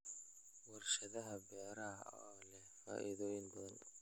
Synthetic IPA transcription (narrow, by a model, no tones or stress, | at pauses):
wɐrʃɐðɐɦɐbɛːɾaɦɐ̰ɔːlɛfa̰ːʔiðɔːjɪnbɐðɐn